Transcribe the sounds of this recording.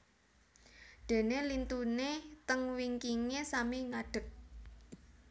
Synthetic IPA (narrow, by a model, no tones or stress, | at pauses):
d̪̥e̤nelint̪unet̪əŋwiŋkiŋesamiŋaɖ̥ə̤k̚